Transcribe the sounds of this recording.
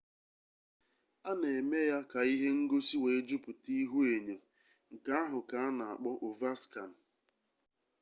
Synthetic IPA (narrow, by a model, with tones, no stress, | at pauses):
a˦ne˨e˨me˦ja˦ka˨i˦ɦe˦ŋ̩˦ɡo˦si˦we˨e˦d͡ʒu˦pʊ˨ti˦ɦu˦e˨ɲo˨ | ŋ̩˨ka˦a˦ɦʊ˨ka˨˦a˦na˨a̰˨k͡pɔ˦ʔo˨va˦ska˨n̩˨